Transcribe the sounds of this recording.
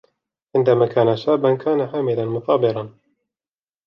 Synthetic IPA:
ʕɪnd̪amaːkʰaːnaʃaːbankʰaːnaħaːmɪlanmʊθɑːbɪɾˤɑn

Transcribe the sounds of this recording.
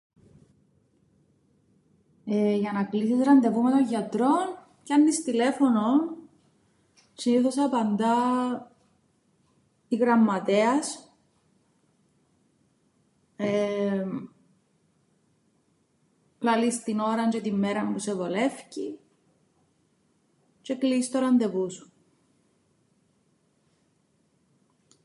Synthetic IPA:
eʝɐnɐkliθizɾɐnd̪e̞vumet̪oɲʝɐt̪ɾo̞n | cɐnːist̪ile̞fonon | siniθosɐpɐnd̪ɐ | iɣɾɐmːɐt̪eɐs | e | lɐlist̪ino̞ɾɐnt͡ʃet̪imːeɾɐmpusevole̞fci | t͡ʃe̞klist̪oɾɐnd̪e̞vusu̥

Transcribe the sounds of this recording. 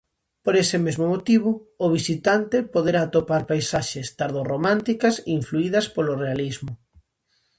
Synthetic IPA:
poɾesɪmezmʊmot̪iβ̞ʊːβ̞isit̪ant̪ɪpoðeɾat̪opaɾpajsaʃɪst̪aɾðoromãnt̪ikɐseiɱfluiðɐspolorealizmʊ

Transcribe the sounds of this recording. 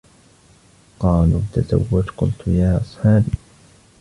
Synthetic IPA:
qɑːlṵːt̪ːaza̰wːʊd͡ʒqʊ̰lt̪jaːʔɑsˤħɑːbi

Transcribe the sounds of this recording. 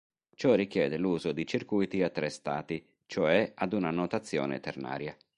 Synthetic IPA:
t͡ʃɔrik̟jɛːd̪eluːzod̪it͡ʃirkujt̪iat̪ːɾɛst̪a̰ːt̪i | t͡ʃoɛad̪unanot̪at̪sːjɔ̰ːnḛt̪erna̰ːɾja

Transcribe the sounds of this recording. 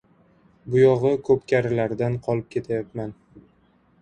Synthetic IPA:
bʊjɒʁɨkʰɵpkʲʰaɾɪlaɾd̪anqʰɒlˠɪp̚kʲʰe̞t̪ʰajat̪man

